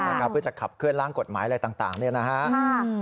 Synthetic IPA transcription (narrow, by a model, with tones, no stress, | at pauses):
a˧˩kʰa˦˥pʰːɯ˥˩t͡ɕa˨˩kʰa˨˩p̚kʰɯ˥˩ənɾaː˥˩ŋko˨˩t̪̚maː˩˦ja˧jt̪aː˨˩ŋt̪a̰ː˨˩ŋdu˥˩əna˦˥kʰa˦˥